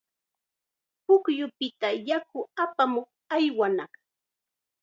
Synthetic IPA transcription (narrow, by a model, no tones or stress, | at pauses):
pʊkjʊpɪt̪ajak̚ʊapamoχ | ajwanɑχ